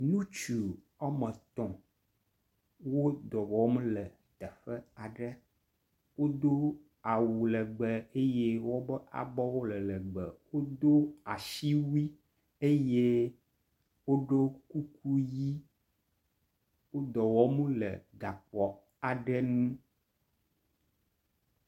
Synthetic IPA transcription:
nũ˦t͡ʃu˨ | a˦mə̃˨t̪ɔ̃˨ | wo˦d̪ɔ˨wɔ˨˦m˦lə˨ | t̪ɛ˨ɸə˦a˨ɖə˦ | wo˦d̪o˦ | a˨wu˨lə˨ɡ͡bə˨e˦je˦wo˦bə˦ʔa̰˨bɔ˦wo˦lə˨lə˨ɡ͡bə˨wo˦d̪o˦a˨ʃi˦wi˦ | e˦je˦ | wo˦ɖo˦ku˦ku˦ji˦ | wo˦d̪ɔ˨wɔ˦mũ˦lə̰˨ɡa˨k͡pɔ˨ | a˨ɖɛ˦nũ˦

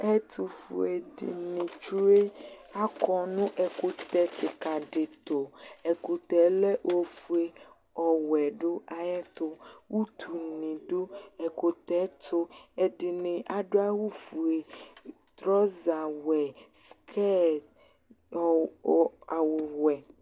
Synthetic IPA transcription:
ɛ˦t̪ʰu˨fṵ˨e˨dḭ˨nĩ˨t͡ʃu˦e˦a˦kɔ˦nũ˦ʔɛ˨ko˦t̪ɛ˦t̪i˨ka˨ɖe˨t̪o˨ɛ˨ko˨t̪ɛ˨le˦ʔo˨fu˨˦e˦ | ɔ˨wɛ˨ɖo˦a˦jɛ˦t̪o˦wu˦t̪ʰu˨nĩ˨ɖo˦ɛ˨ko˨t̪ɛ˦t̪o˦e˨di˨nẽ˨ʔa˨ɖo˦a˦wu˦fu˨e˨ | t̪ɾɔ˦za˨wɛ˨skʰɛ˦t | a˨wo˨wɛ˨

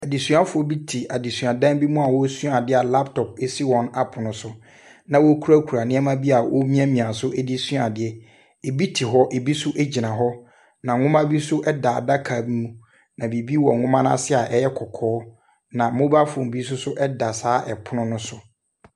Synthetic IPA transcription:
a˨di˨sũ˨˦a˦fʊ˨ɔ˦bi˦tʰi˨ʔa˨di˨sũ˨a˨dã˦mbi˦mũ˦a˨wɔ˦sũ˦a˨dɪ˦a˨la˦ptʰɔ˨pe˨si˦wɔ̃˨na˨pʰʊ˨nʊ̃˦sʊ˦ | nã˨wo˦kʰu˦ɾa˦kʰu˨ɾa˨nɪ̃˦ɛ˦mã˦bi˦a˨wo˦mĩ˦a˦mĩ˨ã˨sʊ˦ʔɛ˦di˦su˦a˨dɪ˦ɛ˦ | e˨bi˦tʰi˨ɦɔ˦ʔe˨bi˦sʊ˦ʔɛ˦d͡ʑi˨nã˨ɦɔ˦ | nã˨ŋʊ̃˦mã˦bi˦sʊ˦ʔɛ˦da˨a̰˨da˦kʰa˨bi˦mũ˦ | nã˨bi˨bi˦wɔ˨ŋʊ̃˦mã˦n˦a̰˦sɪ˦a˨ʔɛ˦jɛ˦kʰɔ˨kʰɔː˦ | nã˨mʊ̃˦ba˦fʊ̃˨m˨bi˦s̬ʊ˦sʊ˦ʔɛ˦da˨saː˨˦ʔɛ̰˨pʰʊ˦nʊ̃˦nʊ̃˦sʊ˦

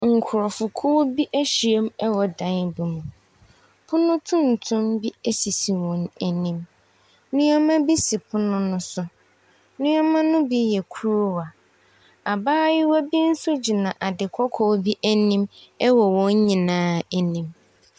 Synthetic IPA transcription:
ŋ̩˨kʰʊ˨ɾɔ˨fʊ˨kʰo˦bi˦ʔæ˦ɕi˨e˦mɛ˦wɔ˨dã˨˦n˦bu˨mũ˨ | pʰʊ˦nʊ̃˦tʰʊ̃˦n̩˨tʰʊ̃˦mbi˦ɛ˦si˨si˨wɔ̃˨næ˨nĩ˦m | nʊ̃˦ɔ˦mã˦bi˦si˨pʰʊ˦nʊ̃˦nʊ̃˦sʊ˦ | nʊ̃˦ɔ˦mã˦nʊ̃˦bi˦jɛ˨kʰu˦ɾu˦wa˨ | a˨baː˦jɪ˦wɔ˦bi˦n̩˦sʊ˦d͡ʑi˨nã˨ʔa˨dɪ˨kʰɔ˦kʰɔ˦wbi˦ʔæ˦nĩ˦mɛ˦wɔ˨wɔ̃˦ɲ˦ɲĩ˨nãː˦æ˨nĩ˦m

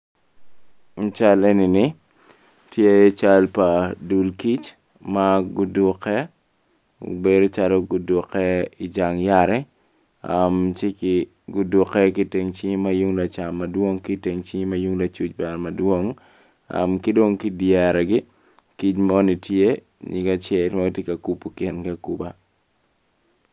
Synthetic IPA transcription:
ŋ̩˨˦t͡ʃa˦le˦ni˨nɪ˦ | tje˦t͡ʃa˦lpa˨du˨lki˦t͡ʃ | ma˦ɡʊ˦dʊ˦kɛ˦ | o̰˨bedo˦t͡ʃa˦lo˦ɡʊ˨dʊ˨kɛ˦ɪ˨d͡ʒa˨ŋja˦ɾɛ˦ | amt͡ʃɪ˦kɪ˨ | ɡʊ˨dʊ˨kɛ˦kɪ˦te˨ŋt͡ʃi˦ɲi˦ma˦ju˦ŋla˨t͡ʃa˨ma˨dwo˦ŋki˦te˨ŋt͡ʃi˦ɲi˦ma˦ju˦ŋla˨t͡ʃu˦t͡ʃba˨ɾma˨dwo˦ŋ | a̰˨mkɪ˦do˦ŋkɪ˦djɛ˨ɾɛ˨ɡɪ˦ | ki˦t͡ʃmo˦ni˨tje˦ | ɲɪ̰˨ɡa˦t͡ʃjɛ˨lmaɡʊ˦tje˦ka˨ku˦po˦kɪ˦nkaku˨ba˦

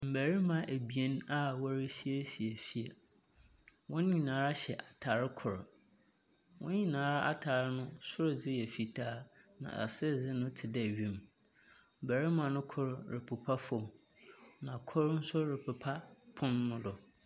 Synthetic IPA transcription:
m̩˨bæ˨ɾi˦mã˨ʔæ˨bi˨ɛ˦na˦wa˦ɾi˦si˦e˦si˨e˨fi˦ɛ˨ | wɔ̃˦n˦ɲĩ˨nãː˨˦ɾa˦ɕɛ˨ʔa˨tʰa˨ɾɪ˦kʰʊ˨ɾ | wʔɔ̃˦nɲĩ˦˨nãː˨˦ɾa˦ʔa˦tʰaː˨ɾɪ˦nʊ̃˦sʊ˦ɾʊ˨d͡zɪ˦jɛ˨fi˨tʰaː˦nã̰˨ʔa̰˨sɪ˦˨d͡zɪ˦nʊ̃˦tʰɪ˨dɛ˦˨ɥĩ˨m | m̩˨bæ˨ɾi˦mã˨nʊ̃˦kʰʊ˦ɾɾɪ˨pʰʊ˨pʰa˦fɔ̃˨m | nã˨kʰʊ˦ɾn̩˦sʊ˦ɾɪ˨pʰʊ˨pʰa˦pʰʊ̃˦nːʊ̃˦dʊ˨

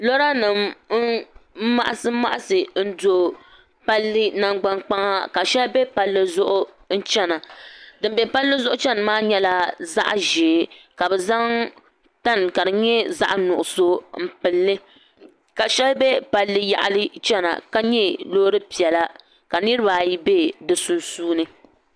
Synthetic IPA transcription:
lɔ˦ɾa˦nɨ˨m˦ | ma̰˦ʔa˨sɨ˦ma˦ʔa˦sɨ˨n̩˦do˨ | pa˦lːɨ˦na˨ŋɡ͡ba˦nk͡pa˦ŋa˦ka˨ʃɛ˦lbɛ˦pa˨lːɨ˦zʊ˦ʔʊ˦ | n̩˦t͡ʃɛ˦na˨dɨ˨m˦bɛ˨pa˦lːɨ˦zʊ˦ʔʊ˦t͡ʃɛ˦n˨maː˦ɲɛ˦la˦za̰˦ʔʒeː˨ka˨bɛ˨za˦ŋ | ta˦n˨ka˨dɨ˨ɲɛ˦za̰˦ʔnʊ˨ʔʊ˨so˦m̩˦˨pɨ˨lːɨ˦ | ka˨ʃɛ˦lbɛ˦pa˨lːɨ˦ja̰˨ʔa̰˨lɨ˦t͡ʃɛ˦na̰˨ka˦ɲɛ˦loː˦ɾɨ˦pi˨ɛ˨la˦ | ka˨nɨ˦ɾɨ˦baː˨ji˦be˦dɨ˨su˨nsuː˦nɨ˦

